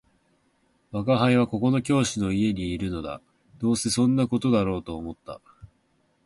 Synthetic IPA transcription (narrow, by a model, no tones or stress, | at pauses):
βakaɦaiβ̞ako̞ko̞no̞kʲo̞ːɕino̞ie̞ɲ̟iːɾɯ̟no̞d̪a̰ | d̪̥o̞ːse̞sõ̞nːako̞t̪o̞d̪aɾo̞ːt̪o̞ːmo̞t̪ːa̰